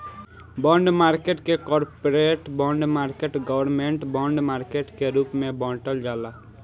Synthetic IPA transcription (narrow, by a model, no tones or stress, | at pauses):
bɔ̃ːɳɖmaːɾkeːʈkekɔːɾpoɾeʈbɔ̃ːɳɖmaːɾkeːʈɡəʋəɾmẽɳʈbɔːɳɖmaːɾkeʈkeɾuːpmẽbɔ̃ːʈəld͡ʒaːlaː